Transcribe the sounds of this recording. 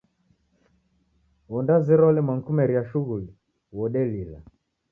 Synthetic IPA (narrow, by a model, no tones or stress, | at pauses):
wɔndazɛɾɔlɛmaŋ̩kumɛɾiaʃuɣuli | wɔɗɛlila̰